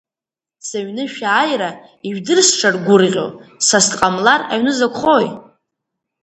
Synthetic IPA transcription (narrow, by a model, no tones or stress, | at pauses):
saɥnɨʃᶣaːjɾa | iɥᶣdɨrsʈ͡ʂʰarɡʷʊrʁʲo̞̰sastqʼamlara̰ɥnɨzakʷʰχoj